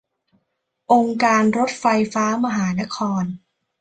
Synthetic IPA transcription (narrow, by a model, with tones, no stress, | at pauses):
ʔo˧ŋkaː˧nɾo˦˥t̪̚fa˧jfaː˦˥ma˧ɦaː˩˦na˦˥kʰɔː˧n